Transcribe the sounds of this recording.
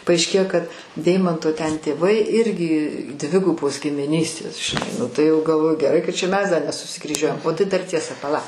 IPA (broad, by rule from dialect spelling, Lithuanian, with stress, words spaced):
pɐɐɪʃʲˈkʲeːjoː kɐt ˈdʲɛɪmɐntoː tʲɛn tʲeːˈʋɐɪ ˈɪrʲɡʲɪ ˈdʲʋʲɪɡʊboːs ɡʲɪmʲɪˈnʲiːsʲtʲeːs ʒʲɪˈnɐɪ ˈnʊ tɐɪ ˈjɛʊ ɡɐlˠˈʋoːjʊ ɡʲɛˈrɐɪ kɐt t͡ʃʲɛ ˈmʲɛs ˈdɐ nʲɛsʊsʲɪkrʲiːˈʒʲuɔjɛm oː ˈtɐɪ dɐr ˈtʲiɛsɐ pɐˈlˠɐ